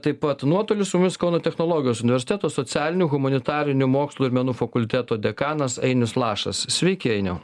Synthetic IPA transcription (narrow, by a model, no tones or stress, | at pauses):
t̪ɐɪppɐt̪nuɔt̪oːlʲɪsʊmʊmʲɪskɐʊnot̪ʲɛxnoːlˠoːɡʲjoːsʊnʲɪʋʲɛɾʲsʲɪt̪ʲæːt̪oːsoːt͡ssʲæːlʲɪnʲuɣʊmɐnʲɪt̪ɑːɾʲɪnʲumoːkslˠuːɪɾʲmʲɛnuːfɐkʊlʲt̪ʲæːt̪oːd̪ʲɛkɑːnɐsɛɪnʲʊslˠɑːʃɐ̰ssʲʋʲɛɪkʲɪɛɪnʲɛʊ